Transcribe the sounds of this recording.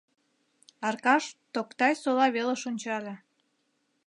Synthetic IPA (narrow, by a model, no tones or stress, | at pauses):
ɑrkɑʃt̪okt̪ɑjsolɑβeleʃonʲt͡ɕɑlʲĕ